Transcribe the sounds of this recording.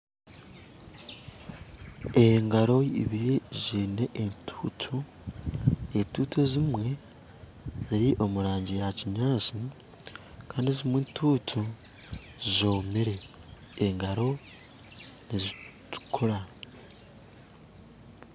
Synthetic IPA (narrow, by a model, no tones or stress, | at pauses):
eŋɡaɾo̞iβiɾizineʔentʰuːtʰu | entuːtʰozimwe̞ | ziɾiʔo̞muɾaːɲɟijaciɲaːsi | kaːndizimintʰuːtʰu | zizoːmiɾe | eŋɡaɾo̞ | nizitu̥kʰuɾa